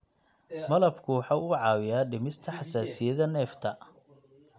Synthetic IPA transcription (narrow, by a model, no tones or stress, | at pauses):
mɐlɐbkʰʊwɑħaʔuːʕɑːwɪjaːɖɪmɪst̪ʰɐħɑsaːsɪjɐðɐnɛːft̪ʰɐ